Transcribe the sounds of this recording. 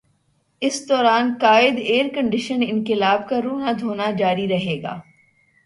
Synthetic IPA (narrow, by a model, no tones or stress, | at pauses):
ɪsd̪ɔːɾaːnkaːɪd̪eːɾkɐ̃ɳɖɪʃənɪ̃nkɪlaːbkaɾoːnad̪ʱoːnad͡ʒaːɾiɾɐɦeːɡa̰ː